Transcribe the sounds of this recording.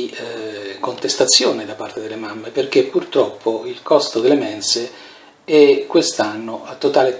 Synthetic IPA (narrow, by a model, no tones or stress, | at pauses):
kont̪est̪at̪sːjoːned̪apːart̪ed̪elːemamːeperk̟epːurt̪ɾɔpʰːoilkɔst̪od̪elːemɛnse | ɛkːwest̪anːoat̪ːot̪aːle